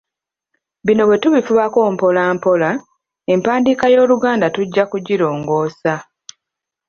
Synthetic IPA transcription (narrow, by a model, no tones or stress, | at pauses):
βino̞βwe̞tuβifuβako̞ːmpo̞laːmpo̞la | e̞mpaːndiːkajo̞ːluɡaːndatuɟːakuɟiɾo̞ːŋɡo̞ːsa